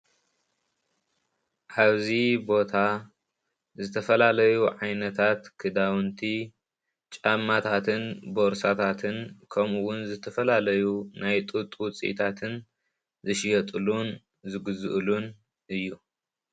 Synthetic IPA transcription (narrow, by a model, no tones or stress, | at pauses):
ʔaβzibo̞t̪ʰa | zɨt̪ʰɐfɐlalɐjuʕajnɐt̪ʰat̪kʰɨd̪awɨnt̪ʰi | t͡ʃʼamːat̪ʰat̪ʰɨnbo̞ɾsat̪ʰat̪ʰɨnkʰɐmuwʊnzɨt̪ʰɐfɐlalɐjunajt̪ʼut̪ʼːut͡sʼḭt̪ʰat̪ʰɨn | zɨʃjɐt̪ʼɨlun | zɨɡɨzɨʔlun | ʔɨjːu